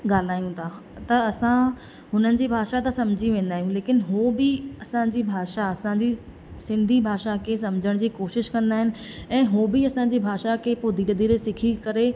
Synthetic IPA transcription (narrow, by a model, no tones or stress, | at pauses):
ɠaːl̤aːjũt̪ʰaː | t̪ɐɐsã | ɦʊnənɪ̆d͡ʑiːbʱaːʃat̪asɐmd͡ʑʱiʋẽːn̆d̪aːɦijũleːkɪnɦoːbɪɐsãd͡ʑiːbʱaːʃaɐsãɲd͡ʑi | sɪ̃nd̪ʱibʱaːʃakʰes̬ɐ̃md͡ʑʱəɽ̃d͡ʑiːkoːʃɪʃkɐ̃nd̪aːɦɪnɪ̆ | ɛ̃ːɦoːbɪɐsãɲ̆d͡ʑiːbʱaːʃakʰeːpoːd̪ʱiːɽd̪iːɾesɪkʰikɐɾe